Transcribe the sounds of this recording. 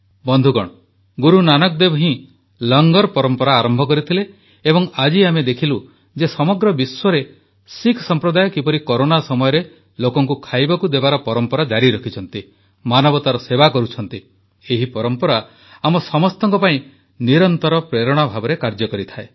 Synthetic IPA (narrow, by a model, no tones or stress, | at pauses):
bɔnd̪ʱuɡɔɽ̃ɔ | ɡuɾunanɔk̚d̪ebɔɦĩ | lɔŋɡɔɾpɔɾɔmpɔɾaːɾɔmbʱɔkɔɾit̪ʰileː | bɔŋad͡ʒiamed̪ekʰilu | d͡ʒesɔmɔɡɾɔbiswɔɾe | sikʰsɔmpɾɔd̪ajɔkipɔɾikɔɾonasɔmɔjɔɾe | lokɔŋkukʰajbɔkud̪ebaɾɔpɔɾɔmpɔɾad͡ʒaɾiɾɔkʰit͡ʃʰɔn̪t̪i | manɔbɔt̪aɾɔsebakɔɾut͡ʃʰɔnt̪i | eɦipɔɾɔmpɔɾa | amɔsɔmɔst̪ɔŋkɔpaĩ | niɾɔnt̪ɔɾɔpɾeɾɔɽ̃ɔbʱabɔɾekaɾd͡ʒɔkɔɾit̪ʰae